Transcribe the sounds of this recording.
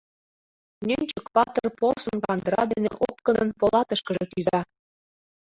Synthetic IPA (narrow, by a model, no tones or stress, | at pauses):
nʲynʲt͡ɕə̆kpɑt̪ɤrporsɤnkɑnd̪ɾɑd̪enḛʔopkɤ̆nɤ̆npolˠɑt̪ɤ̆ʃkɤ̆ʒɤ̆t̪yzɑ